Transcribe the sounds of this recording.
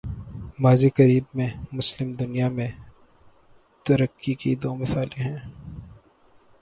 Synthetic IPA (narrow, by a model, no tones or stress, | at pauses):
maːzikɐɾiːbmẽmʊslɪmd̪ʊnijamẽ | t̪ɐɾəkːikid̪oːmɐsaːliɦɛ̃ː